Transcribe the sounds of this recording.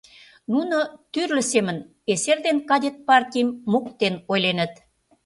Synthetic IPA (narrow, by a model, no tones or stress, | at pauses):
nunot̪yrlə̆semən | eserd̪enkɑd̪ʲet̪̚pɑrt̪ʲijmːukt̪enojlenə̆t̪